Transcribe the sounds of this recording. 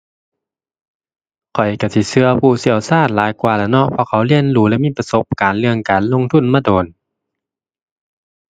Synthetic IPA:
kʰɔ˨˩jka˧˩si˧˩sɯ˧əpʰuː˧˩si˧˩əwsaː˧˥˩t̪̚laː˨˦jkwaː˨˩la˧˩nɔ˧˥pʰɔː˧˨kʰa˧˦wli˧˨ənluː˧˦lɛː˧˥˨miː˧˥˨pa˧so˧˦p̚kaː˨nlɯ˧əŋkaː˨nlo˧˨ŋt̪ʰu˧˥˨nmaː˧˥˨doː˨˩n

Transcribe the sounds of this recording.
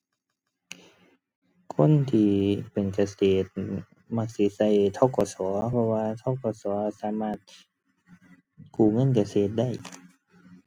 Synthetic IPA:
kʰo˧˥˨nt̪ʰiː˧˩pe˨˩nka˧seː˨˩t̪̚ | ma˧k̚si˧˦sa˧˩jt̪ʰɔ˧˥˨kɔː˧sɔː˩˦pʰɔ˧waː˧t̪ʰɔː˧˥˨kɔː˧˩sɔː˨˦saː˨˦maː˧˩t̪̚ | kuː˨˩ŋɤ˧˥˨nk̬a˧seː˨˩t̪̚da˧˥˩j

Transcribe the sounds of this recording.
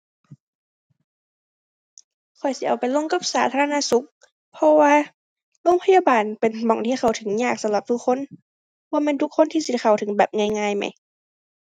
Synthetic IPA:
kʰɔ˨˩jsi˨˦ʔa˨˩wpa˨jlo˧˨ŋka˧˥˩p̚saː˨˦t̪ʰa˧a˧aː˧su˧˦˥k̚ | pʰɔ˧waː˧ | lo˧˥˨ŋpʰa˧jaː˧˨baː˨npe˨nmɔ˨˩ŋt̪ʰiː˧˥˩xa˨˩wt̪ʰɯ˨˦ŋɲaː˧˩k̚sa˨˧˦mla˧p̚t̪ʰuː˧˨xʰo˧˥˨n | waː˧mɛː˧˨nt̪ʰu˧˥kʰːo˧˥˨nt̪ʰiː˧˨si˧˩xʰa˨˩wt̪ʰɯ˩˦ŋbɛː˨˩p̚ŋaː˧˩jŋaː˧˨jma̰˧˩j

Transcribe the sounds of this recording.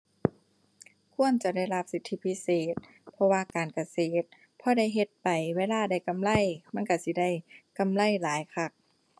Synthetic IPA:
kʰu˧˥˨ənt͡ɕa˨˧˩da˥˩jla˧p̚si˧˦t̪ʰːi˧˥pʰi˧˥seː˨˩t̪̚ | pʰɔ˧waː˧kaː˨˩nka˨˧seː˨˩t̪̚ | pʰɔː˧da˥˨jɦe˧t̪̚pa˨˩jweː˧˥laː˧da˧˩jka˧˨mla˧˥˨jma˧˥˨nka˧˩si˧˦da˧˥˩jka˧˨mla˧˩˨jlaː˨˦jkʰa˧˩k̚

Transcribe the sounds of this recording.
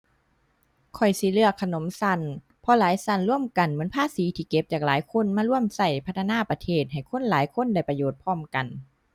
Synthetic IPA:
kʰɔ˨˩jsi˧˦lɯ˧˩əkʰːa˧no˨˦msa˧˩˨n | pʰɔ˧laː˨˦jsa˧˩nlu˧˥˩əmka˨˩nmɯ˦ənpʰaː˧˥˨siː˨˦t̪ʰiː˧˩ke˧˦p̚t͡ɕaː˨˩k̚laː˨˦jkʰo˧˥˨nmaː˧˥˨lu˧˥˩əmsa˧˩jpʰa˧˥t̪ʰːnaː˧˥˨pa˧t̪ʰeː˧˩t̪̚ha˨˩jkʰo˧˥˨nlaː˨˦jkʰo˧˥˨nda˧˩jpa˧joː˨˩t̪̚pʰɔː˧˥˩mka˨n

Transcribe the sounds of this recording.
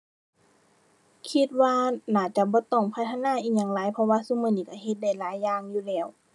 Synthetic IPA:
kʰi˧t̪̚waː˧naː˧˩t͡ɕa˧˨bɔː˧˦t̪ɔ˧˩ŋpʰa˧t̪ʰːa˧naː˧˥˨ʔiː˧˩ɲaː˧˩ŋlaː˨˦jpʰɔ˧waː˧˨su˧˥˨mɤ˧˩˨niː˧˩ka˧˩he˧˦t̪̚da˧˩jlaː˨˦jːaː˧˨ŋjuː˧˨lɛː˧˩˨w

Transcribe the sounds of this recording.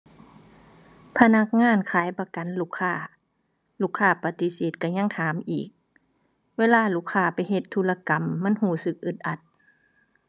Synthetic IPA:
pʰa˧na˧˥k̚ŋaː˧˥˨nkʰaː˨˦jpa˧˦ka˨˦nluː˧˩kʰːaː˧˩˨ | luː˧˥˩kʰːaː˧˩pa˧t̪i˧˦seː˨˦t̪̚ka˧˩ɲa˧˥˨ŋt̪ʰaː˨˦mʔiː˨˩k̚ | weː˧˥˨laː˧˩˨luː˧˩kʰːaː˧˩pa˨jɦe˧˦t̪ʰːuː˧˨la˧ka˨mːa˧˥˨nhuː˧˩sɯ˧˦k̚ʔɯ˧˩t̪̚ʔa˧˦t̪̚

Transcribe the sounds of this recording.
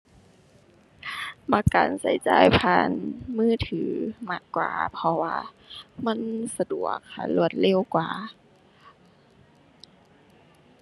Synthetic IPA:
maː˧˩kaː˨˩nsa˨˦jt͡ɕa̰ː˨˩jpʰaː˧˩nmɯː˧˥˩t̪ʰɯː˨˦ma˧˩kkːwa̰ː˨˩pʰɔ˧waː˧ | ma˧˥˨nsa˧du˨˩ək̚ha̰˧˩lu˧˩ət̪̚le˧˥˨wkwaː˨˩

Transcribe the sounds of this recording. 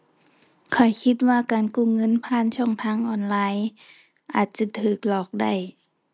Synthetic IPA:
kʰɔ˨˩jkʰi˧˥t̪̚waː˧kaː˨˩nkuː˧˩˨ŋɤ˧˥˨npʰaː˧˥˨nt͡ɕʰɔ˧˥˩ŋt̪ʰaː˧˥˨ŋʔɔː˧nlaː˧˥j | ʔaː˨˩t̪̚t͡ɕa˧t̪ʰɯː˨˩k̚lɔː˨˩k̚da˧˥˩j

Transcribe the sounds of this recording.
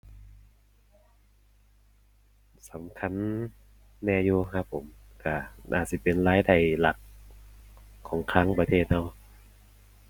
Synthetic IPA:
sa˨˦mkʰa˧˥˨nː | ɛː˧˩juː˧˩kʰa˧˥pʰːo˨˩˦m | ka˧˩ʔa̰ː˨˩si˧˩pe˨nlaː˦˥jda˥˩jla˨˩t̪̚ | kʰːɔː˩˦ŋkʰaː˦˥˨ŋpa˧t̪ʰeː˧˨˩t̪̚na˧˩w

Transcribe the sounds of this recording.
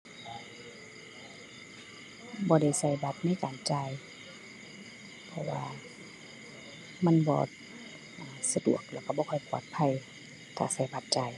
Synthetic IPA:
bɔː˧˦da˧˩jsa˧˩jba˧p̚na˧˥˨jkaː˨nt͡ɕaː˧j | pʰɔ˧waː˧ | ma˧˥˨nbɔ̰ː˧ | ʔaː˨sa˧dṵ˨˩ək̚lɛː˧˩wka˧bɔː˧kʰɔ˧˨jpuː˧˩t̪̚pʰa˧˨j | t̪ʰaː˧˩sa˧˩jba˧˦p̚t͡ɕa˧˩j

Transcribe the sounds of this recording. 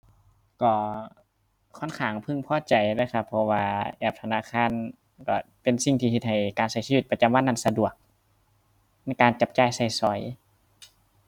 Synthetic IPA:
kɔː˧˩ | kʰɔ˧˥˨nkʰaː˨˩˦ŋpʰɯ˧˨ŋpʰɔː˧˨t͡ɕa˨˩jlaː˧˩kʰa˧pʰːɔ˧waː˧ʔɛː˧˩p̚t̪ʰa˧naː˧˥˨kʰaː˧˥˨n | kɔ˧˩ | pe˨nsi˧˩ŋt̪ʰiː˧˩he˧t̪̚ha˨˩jkaː˨nsa˧˩jsiː˧t̪̚pa˧t͡ɕa˧˦mwa˧˥˨nːa˧˥˨nsa˧du˨˩ək̚ | na˧˥˩jkaː˨nt͡ɕa˧p̚t͡ɕaː˧˩˨jsa˧˩jsɔ˨˧˦j

